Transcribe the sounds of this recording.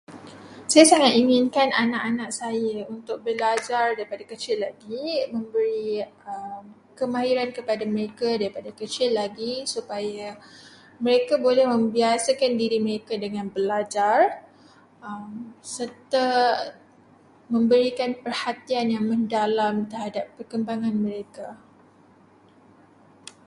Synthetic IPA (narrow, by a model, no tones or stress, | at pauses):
sajasaŋat̪̚iŋɪnkananaʔanaʔsajaunt̪ʊk̚bəlad͡ʒardaɾipadakət͡ʃɪlːaɡimə̃mbəɾiəm | kəmãɦiɾankəpadaməɾekadaɾipadakət͡ʃɪlːaɡisupaja | mə̃ɾekabolɛhmə̃mbiasakandiɾiməɾekadəŋãnbəlad͡ʒar | əmsərt̪a | mə̃mbəɾikanpərhat̪ianjaŋmə̃ndalamt̪ərhadapːərkəmbaŋãnmə̃ɾeka